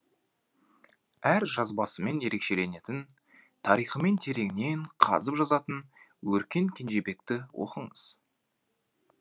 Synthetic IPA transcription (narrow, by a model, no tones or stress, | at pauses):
æɾʒɑzbɑsəme̞nje̞ɾe̞kʃe̞le̞ne̞t̪ɪn | t̪ʰɑɾijχəme̞nt̪ʰe̞ɾe̞ŋne̞ɴqʰɑ̰zəpʒɑzɑt̪ən | wɵɾkʲe̞ŋkʲʰe̞nʒe̞be̞k̚t̪ɪwo̰qəɴəz̥